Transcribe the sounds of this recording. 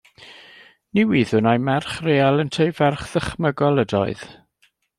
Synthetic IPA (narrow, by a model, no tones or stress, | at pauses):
niwiːðʊnajmɛrχreːalˠəntʰejvɛrχð̥əχməɡɔlˠədɔ̰ɨð̥